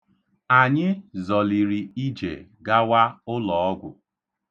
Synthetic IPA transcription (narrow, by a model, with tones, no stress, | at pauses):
a˨ɲɪ˦zɔ˨li˨ɾi˨i˦d͡ʒḛ˨ɡa˦wa˦ʊ˦lɔ˨ɔ˦ɡʷʊ̰˨